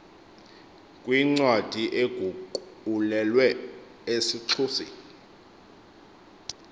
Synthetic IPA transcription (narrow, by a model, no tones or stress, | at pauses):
kʼwiŋ͡ǀwad̥ʱiʔeɡ̥ʱuǃulɛlwɛ | esiǀʰuːsḭ